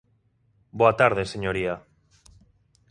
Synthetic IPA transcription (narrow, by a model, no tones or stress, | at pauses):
boat̪aɾð̞eseɲoɾia